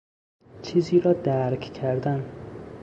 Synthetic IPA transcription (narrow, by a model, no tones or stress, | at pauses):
t͡ʃʰiːziːɾɒːd̪æɾcʰcʰæɾd̪æn